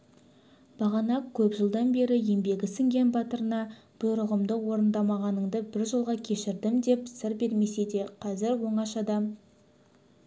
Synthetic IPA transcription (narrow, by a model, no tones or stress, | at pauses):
b̥ɑʁɑnɑkkʲʰɵpʒəlˠd̪ɑnbe̞ɾɪje̞mbe̞ɡʲɪsɪŋɡʲe̞nbɑt̪əɾənɑ | b̥ʊɾʊʁəmd̪əqwo̞ɾənd̪ɑmɑʁɑnəɴd̪əbɪɾʒəlˠʁɑkʲʰe̞ʃɪɾd̪ɪmd̪e̞psɪɾbe̞ɾme̞se̞d̪e̞qʰɑzɪɾwo̞ɴɑʃɑd̪ɑm